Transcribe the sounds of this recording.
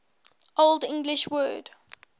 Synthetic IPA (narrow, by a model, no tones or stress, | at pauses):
ʔoldɪ̃ŋɡlɪʃwɜːd̥